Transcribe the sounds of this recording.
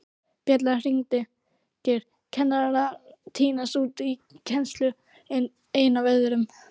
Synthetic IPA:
pjɛt̪̬lar̥iŋt̪ɪ | cɛɾ̥ | cʰɛnːaɾaɾat̪ʰiːnast̪uːt̪icʰɛnst̪lʏ | eːjnavɛjðʏɾʏm

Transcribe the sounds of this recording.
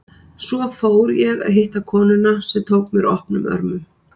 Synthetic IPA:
svɔfoːwɾjɛɣa̰ðɦɪht̪akʰɔːnʏnasɛmt̪ʰoːwkmjɛɾɔhpnʏmʔœ̰ɾmʏm

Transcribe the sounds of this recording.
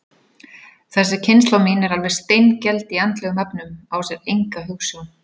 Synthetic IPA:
θɛsːɪcʰɪnst̪lawminɛɾalvɛɾ̥st̪ejncɛlt̪iant̪lɛɣʏmɛpnʏmawsɛɾejŋkaɦuwsan

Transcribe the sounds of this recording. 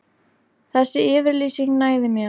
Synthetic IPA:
θɛsːɪɪːvɪɾliːsiŋnaːjðɪmjɛ

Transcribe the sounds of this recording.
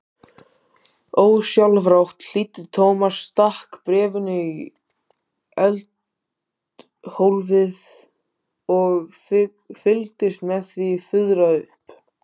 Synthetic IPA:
oːwsjalvɾawht̪l̥iːt̪ɪðt̪ʰoːwmasːt̪ahkpɾɛːvʏnʏi | ɛlt̪ | howlvɪð | ɔɣ | fɪlt̪ɪst̪mɛðθvifʏðɾaʏhp

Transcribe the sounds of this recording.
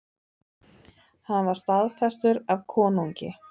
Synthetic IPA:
hanːvaɾ̥st̪aðfɛst̪ʏɾavkʰɔːnuɲcɪ̰

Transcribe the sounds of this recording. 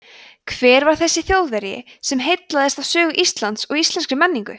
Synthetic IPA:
kʰvɛːɾvaɾ̥θɛsːɪθjowðvɛɾjɪ̰sɛmɦejt̪laðɛst̪avsœːɣʏʔist̪lant̪sɔɣist̪lɛnskɾʏmɛnːiŋkʏ

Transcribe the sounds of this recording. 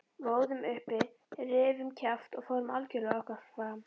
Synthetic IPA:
voːwðʏmʏhpɪ | rɪːvʏmcʰaft̪ɔɣfɔwɾmalcʏlɔhkasfɾaːm

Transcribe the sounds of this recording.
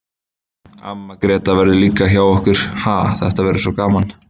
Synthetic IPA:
a̰mːakɾɛːt̪avɛɾðɪliːkaçjaːwɔhkʏɾ̥haːθɛht̪avɛɾɪsvɔkaːman

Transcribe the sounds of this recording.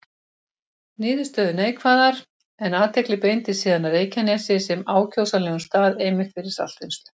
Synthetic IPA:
nɪːðʏst̪œːðʏneːjkʰvaːðaɾ | ɛnaːt̪ʰɛklɪpejnt̪ɪsiːðanareːjcanɛsɪsɛmaːwcʰowsalɛːɣʏnst̪aːðejmɪxt̪fɪɾɪɾ̥sa̰l̥t̪ɪnst̪ʏ̥

